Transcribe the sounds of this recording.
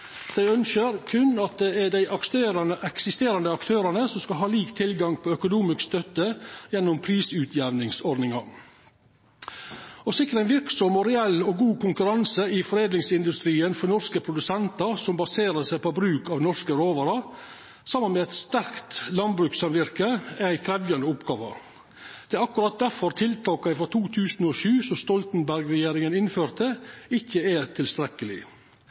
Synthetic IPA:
d̪̥æɪœnʃəɾkʰʉnːɑt̪̚d̪ɛæɖæɪʔɑkst̪eːɾɑnəʔɛksɪst̪eːɾɑnd̪əɑkt̪ʰøːɾɑnəsɔmskɑlɦɑːliːkt̪ʰːɪlɡɑŋpʰɔœkʊnuːmɪskst̪œt̪ːəjɛnːʊmpʰɾiːsʉːt̪ʰjɛʋnɪŋsɔɖ̪nɪŋɑ | ɔsɪkːəɾænʋɪɾksɔmɔɾɛɛlːɔɡuːkʰʊŋkʉɾɑnsəɪfɔɾeːd̪lɪŋsɪnd̪ʉst̪ɾiːənfɔnɔʂkəpʰɾʊd̪ʉsɛnt̪ɑsɔmbɑseːɾəsæɪpobɾʉːkɑʋnɔʂkəɾoːʋɑɾɑ | sɑmːənmɛæt̪st̪æɾkt̪lɑnbɾʉːksɑmʋɪɾkəæɪkʰɾɛʋjɑnd̪əʊpɡɑːʋə̰ | d̪̥ɛæɾɑkʉɾɑt̪̚d̪æɾfɔɾt̪ʰɪlt̪ʰɑːkɑɪfɾɔt̪ʰuːt̪ʰʉːsnɔʃʉːsɔst̪ɔlt̪nbæɾɡɾɛjeːɾɪŋənɪnføːɾt̪əɪçːəæt̪ʰɪlst̪ɾɛkəlɪ̰

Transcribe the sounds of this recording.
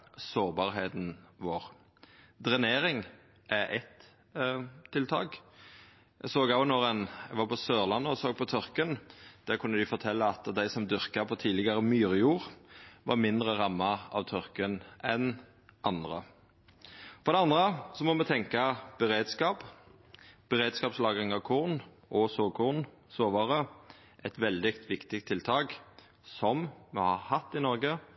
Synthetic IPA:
soːʁbɑːɾɦeːt̪nʋoːʁ | d̪ɾɛneːɾɪŋ | ʔɛʔɛt̪ | t̪ʰːɪlt̪ʰɑ̰ːk | ɛɡsoːɡɑʋnoːɾɛnɛɡʋɑːɾpʰɔsøːʁlɑnːəsoːɡ̚pʰɔt̪ʰʏɾkənd̪̥ækʰʉnːəd̪ɪfɔɾt̪ʰɛlːɑɑt̪d̪æɪsɔmd̪ʏɾkɑpʰɔt̪ʰiːlɪɡɑɾəmyːɾjuːʁʋɑ̰ɾmɪnd̪ɾəʁɑmːɑɑ̰ʋt̪ʰœɾkənʔɛn | ʔɑnd̪ʁə̰ | fɔɾd̪ɛɑnd̪ʁəsɔmɔmɛt̪ʰɛŋkɑb̥ɛɾeːd̪skɑːp | b̥ɛʁeːd̪skɑːpslɑːɡɪŋɑʋkʰuʁn | ʔɔsoːkʰuʁn | soːʋɑɾə | ʔɛt̪ʋɛld̪ɪkt̪ʰʋɪkt̪ɪk̚t̪ʰːɪlt̪ʰɑːk | sɔmmɛhɑhɑt̪ːɪnɔɾɡə

